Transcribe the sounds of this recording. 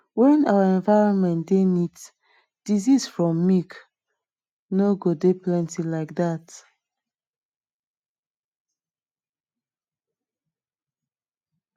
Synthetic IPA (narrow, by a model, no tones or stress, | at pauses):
wɛ̃nawəɛ̃ɱvaɪɹɔ̃nmɛ̃ntdenid | d̥izisfɹɔ̃mːik | noɡodeplɛ̃ntilaɪk̚dat